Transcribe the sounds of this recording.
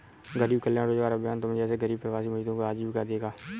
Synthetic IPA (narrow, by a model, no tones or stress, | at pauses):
ɡəɾiːbkəljãːɾoːd͡ʒʋaːɾaːbjaːnt̪omə̃d͡ʒɛːs̬eɡəɾiːb̚pəɾʋaːsiːməid̪õːkoaːd͡ʒiːbkad̪eːɡaː